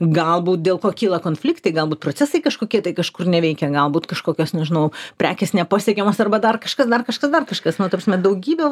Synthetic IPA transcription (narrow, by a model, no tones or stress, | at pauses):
ɡɐlˠbuːt̪̚dʲeːlˠkoːkʲiːlˠɐkoːnfʲlʲɪkt̪ɐɪɡɐlˠbuːt̪pɾoːt͡sʲsʲæsɐɪkɐʃkoːkʲiɛt̪ɐɪkɐʃkʊrnʲɛʋʲɛɪkʲɛɡɐlˠbuːt̪kɐʃkoːkʲoːsnʲɛʒʲɪnɐʊpʲɾʲæːkʲesnʲɛpɑːsʲeɛkʲɛmoːsɐrbɐd̪ɐrkɐʃkɐsd̪ɐrkɐʃkɐsd̪ɐrkɐʃkɐsnʊt̪ɐprɐsmʲɛd̪ɐʊɡʲiːbʲɛ